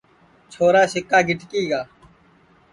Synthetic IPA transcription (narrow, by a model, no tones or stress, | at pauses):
t͡ʃʰoːɾaːsɪkːaːɡɪʈkiːɡaː